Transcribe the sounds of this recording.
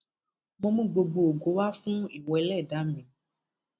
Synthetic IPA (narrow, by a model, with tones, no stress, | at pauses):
mɔ̃˧mũ˦ɡ͡bo˧ɡ͡bo˨o˨ɡo˨˦wa˦fũ˦i˨wɛ˨˦lɛ˦˨da˨˦mĩ˨